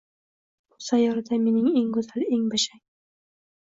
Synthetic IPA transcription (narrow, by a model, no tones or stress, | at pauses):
ʊsajɒɾad̪ame̞nɪŋeŋkʊzaleŋbaʃaŋ